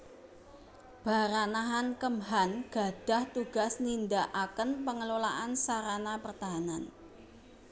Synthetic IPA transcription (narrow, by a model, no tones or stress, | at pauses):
b̥a̤ɾanaɦankəmɦanɡ̥a̤ɖ̥a̤ht̪uɡ̥asnind̪aʔakənpəŋəlolaʔansaɾanapərt̪aɦanan